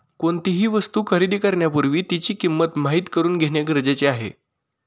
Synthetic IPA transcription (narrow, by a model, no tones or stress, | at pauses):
koɳt̪iɦiːʋəst̪uːkʰəɾiːd̪iːkəɾɳjapuɾʋiːt̪it͡ɕiːkimːət̪maɦiːt̪kəɾuːnɡʱeɳjaɡəɾd͡ʑet͡seaɦḛ